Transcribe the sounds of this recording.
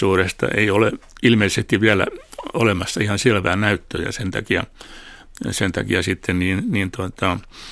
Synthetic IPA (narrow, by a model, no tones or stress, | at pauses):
uːrest̪ɑ̰ʔeioleilmeisest̪iʋʋiælæ̰olemɑsːɑihɑnselʋæːnnæyt̪ːø̰ːjɑ̰sent̪ɑ̰kiɑ̰ | sent̪ɑ̰kḭɑsit̪ːenniːnniːnt̪uot̪ɑ